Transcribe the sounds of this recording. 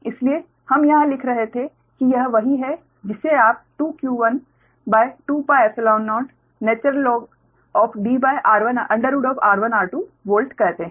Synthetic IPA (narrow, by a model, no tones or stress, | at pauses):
ɪslie | hɐmjɐɦãlɪkʰɾɐɦet̪ʰẽ | kijɐɦʋɐɦiɦɛ | d͡ʒɪsːeaːp̚ʈuːkjuːʋɐn | baːɪʈuːpaːɪesəlãʊnːɔːʈ | neːt͡ʃəɾlːɔːɡ | ɔːfʰɖiːbaːɪʔaːɾʋənʔɐ̃ɳɖəɾuːɖɔːfaːɾʋənaːɾʈuʋoːlʈkɐɾt̪ẽ